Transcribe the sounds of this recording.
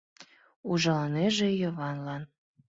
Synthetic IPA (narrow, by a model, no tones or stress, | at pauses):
uʒɑlɑneʒejəβɑnlɑn